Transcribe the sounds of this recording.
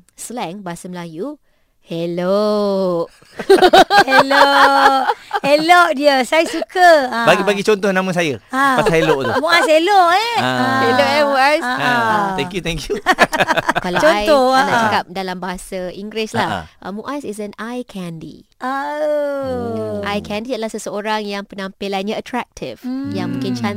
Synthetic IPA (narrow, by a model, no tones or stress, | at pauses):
slɛ̃ŋbaɦasaməlaju | helo | helo | heloʔdiəsajəsukəbaɡibaɡit͡ʃɔnt̪ɔhnãmə̃sajəapaheloʔt̪umũʔas̬heloʔɛheloɛəɛls | ɛ̃ŋkjut̪ɛŋkju | kalat͡ʃoajt̪ɔnaʔt͡ʃakap̚dalambaɦasaiŋɡɾɪslahʔəmũʔasisɛnajkʰɛndḭ | ʔajkʰɛ̃ndiad̪əlahsəsəoɾaŋjaŋpənampelanɲaət̪ɾak̚tʰḭvjaŋmũkɪnt͡ʃan